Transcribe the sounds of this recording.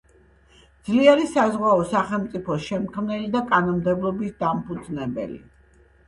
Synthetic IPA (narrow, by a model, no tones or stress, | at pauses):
d̪zliɛɾisazʁwaɔsaχɛlˠmt̪sʼipʰɔsʃɛmkʰmnɛlid̪akʼanɔmd̪ɛblˠɔbisd̪ampʰud̪znɛbɛ̰lḭ